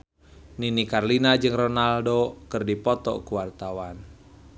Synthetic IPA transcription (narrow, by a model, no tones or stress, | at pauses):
ninikarlinad͡ʒɨŋrɔnaldokɨrdipɔt̪ɔ̰kuwart̪awan